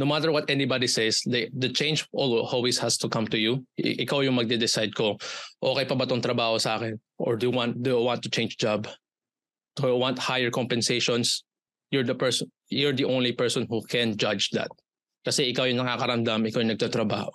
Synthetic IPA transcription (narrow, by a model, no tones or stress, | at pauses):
nowmat̪ɛɹwɐt̪ʔɛnibad̪isɛsd̪d̪ɐt͡ʃẽɪnd͡ʒʔolwholweshast̪ʊkɐ̃mt̪ʊjṵʔɪkawjʊŋmɐɡ̚d̪ɛd̪ɛsajd̪̚koʔoːkɛjpɐbɐt̪oŋt̪ɾɐbaːhosɐʔaːkɛn | ʔɔ̰ɹd̪ujuwãnt̪̚d̪ujuwãnt̪ːʊt͡ʃẽɪnd͡ʒd͡ʒab | d̪̥ujuwãnt̪̚hajɛɹkɔmpɛnsejʃɔ̃ns | jʊɹd̪ɐpɛɹs | jɔɹd̪iʔõwnlipɛɹsɔ̃nhukʰɛ̃nd͡ʒad͡ʒd̪ɐ̰t̪̚ | kɐsɛʔɪkawjʊŋnɐkakɐɾɐmd̪amɪkawjʊŋnɐɡ̚t̪at̪ɾɐba̰ːho